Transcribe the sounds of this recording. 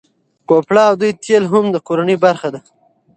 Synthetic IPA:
kopɽɑːwd̪ujt̪ʰelɦʊmd̪əkoɾanijbaɾxad̪a

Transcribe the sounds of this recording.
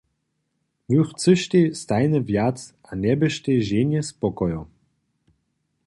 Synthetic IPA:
vyxt͡sɨʃt̪est̪ajnəvjat͡sʔanɛbɘʃt̪eʒenjɛspɔkɔjɔ

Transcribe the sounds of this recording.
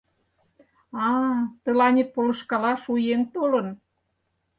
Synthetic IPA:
ɑt̪ə̆lɑnʲet̪̚polə̆ʃkɑlɑʃujent̪olə̆n

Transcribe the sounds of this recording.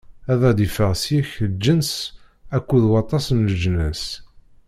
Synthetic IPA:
æðæd̪ifəʁsjæçəld͡ʒːəns | ækʷːuðwɑt̪ˤɑsənləʒnəs

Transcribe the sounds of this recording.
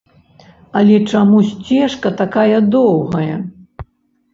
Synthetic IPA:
ɐlʲɛt͡ʂamusʲt͡sʲɛʂkɐt̪akajɐd̪ɔwɣɐjɐ

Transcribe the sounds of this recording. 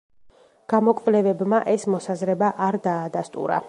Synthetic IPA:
ɡ̥amɔkʼvlɛvɛbmaʔɛsmɔsazɾɛbaʔaɾd̪aːd̪ast̪ʼṵɾa̰

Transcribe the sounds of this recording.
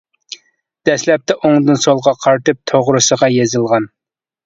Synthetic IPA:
d̪̥ɛslɛp̚t̪ʰɛʔoŋd̪ɨnsolˠʁɑqʰɑɾt̪ɨp̚t̪ʰoʁɾɨsəʁɑjezɨlˠʁɑn

